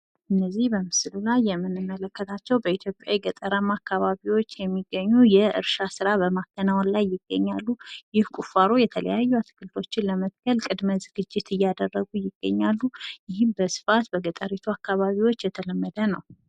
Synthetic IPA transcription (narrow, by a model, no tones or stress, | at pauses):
ʔɨnːəzːihbəmɨslulajːɛmːɨnːɨmːələkːət̪ʰat͡ʃːɛwbəit̪ʰjo̞pʼja̰jɛɡət̪ʼəɾəmakʰːaβaβiwo̞t͡ʃːjɛmːiɡːəɲːujɛɨ̰ɾʃasɨɾabəmakʰːənawonlajːɪɡ̥ːə̰ɲːalːujɪhkʷʼufaɾojɛt̪ʰələ̰jajːuat̪ʰɨ̥kʰɨlt̪ʰot͡ʃːɪnləmət̪ɡ̥əlkʼɨd̪məzɨɡɨd͡ʒːɪt̪ɨjːad̪ərːəɡujɪɡ̥ːə̰ɲːalːujɪhɪmbəsɨ̥fat̪bəɡət̪ʼəɾit̪ʰuakʰːaβaβiwo̞t͡ʃːjɛt̪ʰələmːəd̪ənəw